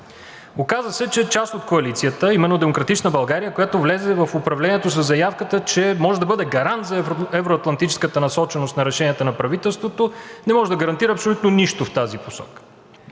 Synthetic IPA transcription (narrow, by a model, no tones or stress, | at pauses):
okazvəsɛt͡ʃɛt͡ʃast̪ot̪̚koɐlit̪sijət̪əimɛnːod̪ɛmokɾɐt̪it͡ʃnəbɐlˠɡaɾijəkojat̪ovlɛzɛvɐfʊpɾɐvlɛniɛt̪os̬əzːɐjafkət̪ət͡ʃɛmɔʒɛd̪ɐbɤd̪ɛɡɐɾant̪zɐɛvɾoɐt̪lˠɐnt̪it͡ʃɛ̥skət̪ənɐsɔt͡ʃɛnost̪nɐɾɛʃɛniət̪ənɐpɾɐvit̪ɛlˠst̪vot̪onɛmɔʒɛd̪ɐɡɐɾɐnt̪iɾəɐpsolʲut̪̚noniʃt̪oft̪aziposɔ̰kə̥